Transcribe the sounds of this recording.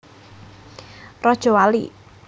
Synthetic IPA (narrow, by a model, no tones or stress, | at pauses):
rɔd̥ʒ̥ɔ̤walḭ